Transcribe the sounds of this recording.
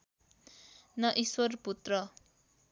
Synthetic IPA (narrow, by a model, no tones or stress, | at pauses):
nʌʔiswʌrput̪rʌ